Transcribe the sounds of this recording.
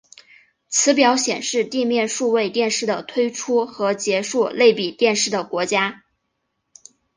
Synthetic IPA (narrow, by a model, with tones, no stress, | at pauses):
t͡sʰɹ̩˧˥pjɑ˧˥ʊɕjɛ˨˩nʂɻ̩˥˧t̪i˥˧mjɛ˥˧nʂu˥˧we˥˧ɪt̪jɛ˥˧nʂɻ̩˥˩d̪ə˩t̪ʰwe˥ɪʈ͡ʂʰu˥xɤ˧˥t͡ɕjɛ˧˥ʂu˥˧le˥˩ɪpi˨˩t̪jɛ˥˧nʂɻ̩˥˩d̪ə˩kwɔ˧˥t͡ɕja˥